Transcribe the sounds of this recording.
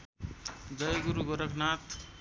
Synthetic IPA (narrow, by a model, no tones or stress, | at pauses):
d͡ʒəjɡuɾuɡoɾəkʰnaːt̪